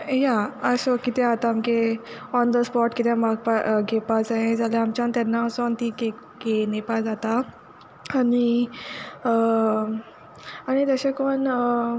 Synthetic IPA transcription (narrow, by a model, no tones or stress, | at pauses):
jaəsɔkit̪ɛ̃at̪amke | ɔnd̪əspɔʈkit̪ɛ̃maɡpaɡepad͡zaẽd͡zalaamt͡ɕant̪janːaəsɔnt̪iɡe | ɡenepad͡zat̪a | ani | aɽ̃it̪əɕekon